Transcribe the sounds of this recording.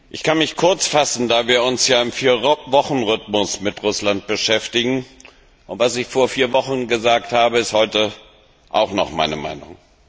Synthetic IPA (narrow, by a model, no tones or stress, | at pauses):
ʔɪçkʰanmɪçkʰʊɐt͡sfasn̩daːviːɐʊnsjaːɪmfiːɐvɔχn̩ʁʏtmʊsmɪtʁʊslant̚b̥əʃɛftɪɡŋ̩ | ʔʊntv̥asɪçfoːɐfiːɐvɔχn̩ɡəzaːk̚thaːbəɪsthɔʏtə | ʔa̰ʊχnɔχmaɪnəma̰ɪnʊŋ